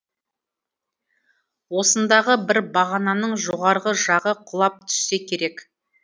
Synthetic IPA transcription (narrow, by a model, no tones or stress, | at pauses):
wo̞sənd̪ɑʁəbɪɾbɑʁɑnɑnəɴʒoʁɑɾʁəʒɑʁəqʰʊlˠɑp̚t̪ʰʏ̥sːe̞kʲʰe̞ɾe̞k